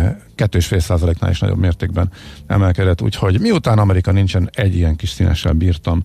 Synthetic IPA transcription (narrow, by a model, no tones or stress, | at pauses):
kɛt̪ːøːʃfeːlsaːzɒleːkna̰ːlḭʃnɒ̰ɟo̰bmeːrt̪eːɡ̚bɛnɛ̰mɛlkɛd̪ɛt̪ːṵːcho̞ɟmiut̪aːnɒmɛɾikɒnint͡ʃɛnɛɟːijɛŋkiʃsiːnɛ̰ʃːɛ̰lbiːrt̪ɒm